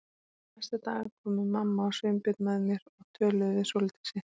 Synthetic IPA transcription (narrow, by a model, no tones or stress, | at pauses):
najst̪at̪a̰ːɣaɾkʰɔːmɪmamːaɔsʏɥmpɪt̪nmɛðmjɛɾɔɣt̪ʰœːlœvɪsowlɪt̪i̥sɪ